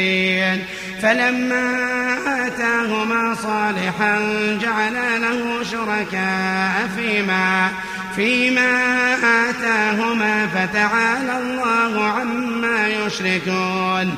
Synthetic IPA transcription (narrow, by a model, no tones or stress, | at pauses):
n | falamːaːʔaːt̪aːɦʊmaːsˤɑːlɪħand͡ʒaʕalalahʊʃʊɾˤɑkaːʔafiːmaː | fiːmaːʔaʔaːt̪aːɦʊmaːfat̪aʕaːlalˤːɑːhʊʕamːaːjʊʃɾɪkuːn